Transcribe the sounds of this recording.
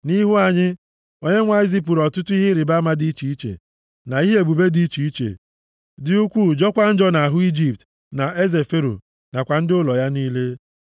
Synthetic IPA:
ni˦ɦu˦a˨ɲɪ˦ | o˦ɲe˦ŋʷa˦i˦zi˦p̬u˨ɾɔ˨tʊ˦tʊ˦i˦ɦɪ˦ɾɪ˨ba˦ma˦di˦t͡ʃi˨i˦t͡ʃḛ˨ | na˨i˦ɦe˦e˨ɡ͡bu˨be˦di˦t͡ʃi˨i˦t͡ʃḛ˨ | dɪ˨u˦kʷu˦˨d͡ʒɔ˦kʷa˦n̩˦d͡ʒɔ˦na˨a˨ɦʊ˦i˦d͡ʒi˦p̚t | na˨ʔe˦ze˨fe˦ɾṵ˨ | na˨kʷa˨n̩˦dʊ˦lɔ˨ja˦niː˦le˦

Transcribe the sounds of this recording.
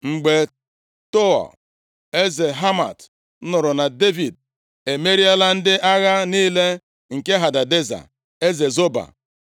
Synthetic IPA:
ŋ͡m̩˨ɡ͡be˨ | to˦ɔ̰˨ | e˦ze˨ɦa˦ma̰˨t̩˦ | nʊ˨ɾʊ˨na˨de˦vi˨d̚ | e˨me˦ɾi˦a˦la˦n̩˦dɪ˦ʔa˦ɣa˦niː˦le˦ | ŋ̩˨ke˦ɦa˨da˨de˦za̰˨ | e˦ze˨zo˦ba̰˨

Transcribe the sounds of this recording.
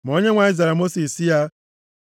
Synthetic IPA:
m̩˨o˦ɲe˦ŋʷa˨i˦za˨ɾa˨mo˦si˨si˦ja˦

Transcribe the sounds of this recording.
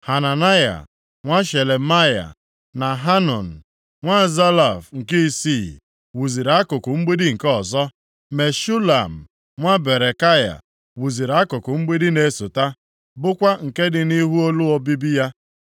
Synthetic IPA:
ha˨na˨na˦ja̰˨ | ŋʷa˦ʃe˨le˨ma˦ja̰˨ | na˨ɦa˦nɔ˨n̩˨ | ŋʷa˦za˦la˨fŋ̩˨ki˦i˦si˦˨ | wu˨zi˨ɾa˨˦kʊ˨kʊ˨ŋ͡m̩˦ɡ͡be˦dɪ˦ŋ̩˨kɔ˨zɔ˦ | me˨ʃu˦la˨m̩˨ | ŋʷa˦be˨ɾe˨ka˦ja̰˨ | wu˨zi˨ɾa˦kʊ˨kʊ˨ŋ͡m̩˦ɡ͡be˦dɪ˦ne˨˦˨sʊ˨ta˦ | bʊ˦kʷa˦ŋ̩˨ke˦dɪ˨ni˦ɦu˦o˦lu˦ɔ˦bi˦bi˦ja˦

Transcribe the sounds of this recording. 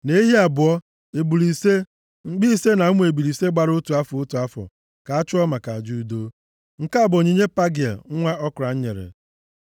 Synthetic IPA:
ne˦i˦ɦi˦a˨bʊ˨ɔ˦ | e˨bu˨li˨se˦ | ŋ͡m̩˦ɡ͡bi˦i˦se˦na˨u˦mʷ˦e˨bu˨ɾi˨se˦ɡ͡ba˨ɾʊ˦tu˨a˦fɔ˨o˦tu˨a˦fɔ̰˨ | ka˨a˦t͡ʃʊ˦ɔ˦ma˨ka˨a˨d͡ʒu˦˨do˦ | ŋ̩˨ka˦˨bo˨ɲi˦ɲe˦pa˦ɡɪ˨ḛ˨ŋ̩˦ŋʷa˦ɔ˦kʊ˨ɾa˨ɲ̩˦ɲe˨ɾḛ˨

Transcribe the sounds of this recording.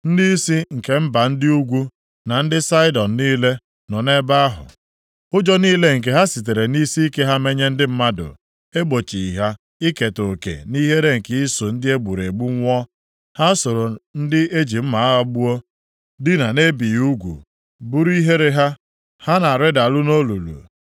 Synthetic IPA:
n̩˦di˦si˦ŋ̩˨ke˨m̩˦ba˨n̩˦dɪ˦u˦ɡʷu˦ | na˨n̩˦dɪ˦sa˦ɪ˦dɔ˨n̩˨niː˦le˦ | nɔ˨ne˦ba˦a˦ɦʊ̰˨ | ʊ˦d͡ʒɔ˦niː˦le˦ŋ̩˨k̬e˨ɦa˦si˨t̬e˨ɾe˨ni˦si˦i˦ke˦ɦa˦me˦ɲe˦n̩˦dɪ˦m̩˦ma˦dʊ̰˨ | e˦ɡ͡bo˨t͡ʃi˨i˨ɦa˦ | i˦ke˨to˨kḛ˨ni˦ɦe˦ɾe˦ŋ̩˨kɪ˦i˦so˨n̩˦dɪ˦e˦ɡ͡bu˨ɾe˨ɡ͡bu˦ŋʷɔ˦ | ha˦so˨ɾo˨n̩˦dɪ˦e˦d͡ʒi˨m̩˦ma˨a˦ɣa˦ɡ͡bu˦o˦ | dɪ˦na˨ne˦bi˨ju˦ɡʷṵ˨ | bu˦ɾu˦i˦ɦe˦ɾe˦ɦa˦ | ha˦na˨ɾɪ˦da˨lʊ˦no˦lu˨lṵ˨

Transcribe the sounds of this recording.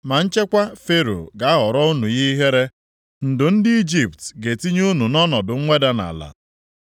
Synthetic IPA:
ma˨n̩˦t͡ʃe˦kʷa˦fe˦ɾo̰˨ɡa˨a˦ɦɔ˨ɾɔ˦u˦nu˨ɲi˦i˦ɦe˦ɾe˦ | n̩˨dʊ˨n̩˦dɪ˦i˦d͡ʒi˨ptɡe˨ti˦ɲu˦nu˨nɔ˦nɔ˨dʊ˨ŋ̩˦ŋʷe˦da˦na̰˨la̰˨

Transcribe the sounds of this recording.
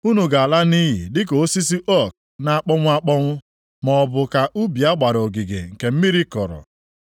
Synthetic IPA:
u˦nu˨ɡa˨a˨la˦ni˦ɦḭ˨dɪ˦ko˨o˦si˦s̬i˦ʔɔ˦˨k̚ | na˨a˦k͡pɔ˦ŋʷʊ˦a˦k͡pɔ˦ŋʷʊ˦ | mɔ˨bʊ˨ka˨ʔu˦bi˨a˦ɡ͡ba˨ɾo˨ɡi˨ɡḛ˨ŋ̩˨ke˨m̩˦mi˦ɾi˦kɔ˨ɾɔ̰˨

